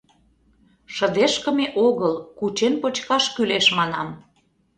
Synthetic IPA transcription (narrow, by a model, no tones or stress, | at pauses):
ʃə̆d̪eʃkə̆meʔoɣəlkut͡ɕenpot͡ɕkɑʃkyleʃmɑnɑm